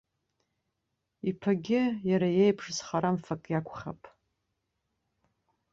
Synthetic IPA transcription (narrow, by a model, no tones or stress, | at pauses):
ipʰaɡʲɪjaɾajejpʰʂzχaɾamfakʼjakʷʰʼχa̰pʼ